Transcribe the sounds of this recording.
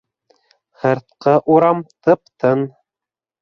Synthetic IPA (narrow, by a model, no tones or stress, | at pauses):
hɤ̆ɾt̪̚qɤʔuɾɑmt̪ɤp̚t̪ɤn